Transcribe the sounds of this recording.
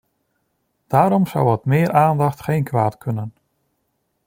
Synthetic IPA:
d̥aːɾɔmza̰wətmɪːɾʔaːndɑχtχejnkʰʋaːtkʰɵnən

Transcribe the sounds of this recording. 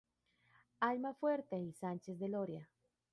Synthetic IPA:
almafweɾt̪eisant͡ʃezd̪eloɾja

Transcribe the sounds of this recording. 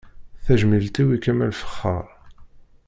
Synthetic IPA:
θæʒmilt̪iwikæmælfə̥χːə̰ɾˤ

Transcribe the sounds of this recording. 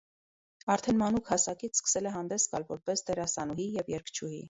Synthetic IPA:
ɑɾt̪ʰɛnmɑnukʰhɑsɑkit͡sʰskə̥sɛlɛɦɑnd̪ɛsɡɑ̰lvɔɾpɛsd̪ɛɾɑsɑnuɦijɛvjɛɾkʰt͡ʃʰuhḭ

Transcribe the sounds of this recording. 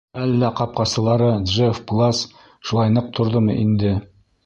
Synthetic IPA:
ælːæqɑp̚qɑsɤ̆lˠɑɾɤd̪ʒefplˠas | ʃulˠɑjnɤq̚t̪ʰŏɾðɤmɤ̰ʔind̪ɘ

